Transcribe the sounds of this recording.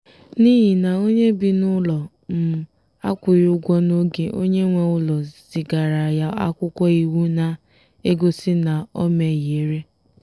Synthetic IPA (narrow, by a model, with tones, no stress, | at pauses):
ni˦ɦi˨na˨o˦ɲe˦bi˨nʊ˦lɔ˨ | m̩˨ | a˦kʷʊ˨ɾʊ˦ɡʷɔ˦no˦ɡe˨ʔo̰˦ɲe˦ŋʷe˨ʊ˦lɔ˨z̥i˨ɡa˨ɾa˨ja˦a̰˦kʷʊ˦kʷɔ˦i˨wu˦na˨ | e˦ɡo˦si˦na˨ɔ˦me˨je˨˦ɾe˦